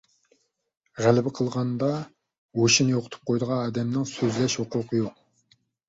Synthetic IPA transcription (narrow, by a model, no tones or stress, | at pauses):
ʁælɪbɪqʰəlˠʁɑnd̪ɑ | woʃinjoqʰʊt̪ʰu̥p̚qʰojd̪əʁɑnɑːd̪ɛmnɪŋsøzlɛʃhoqʊqʰəjoq̚